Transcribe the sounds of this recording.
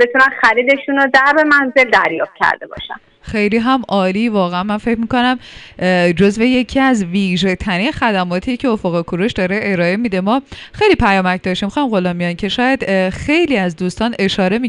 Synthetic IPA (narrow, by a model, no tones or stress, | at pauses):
be̞t̪ʰunænxæɾiːd̪e̞ʃuːnod̪æɾbemænze̞ld̪æ̰ɾjɒ̰ːft̪̚cʰæ̰ɾd̪ebɒ̰ːʃæ̰n | xe̞jliːɦæmʔɒːliːvɒːɣeænmænfe̞cmiːko̞næm | d͡ʒo̞zve̞je̞cʰiæzviːʒe̞t̪ʰæɾinxæd̪æmɒːt̪ʰiːcʰeofoɣekʰuɾuʃd̪ɒːɾe̞ʔeɾɒːe̞mid̪e̞mɒːxejlipʰæjɒːmæcʰd̪ɒʃt̪imxɒjimɢo̞lɒːmːijɒncʰe̞ʃɒːjæd̪̥xe̞jliːæzd̪uːst̪ɒːne̞ʃɒːɾe̞mi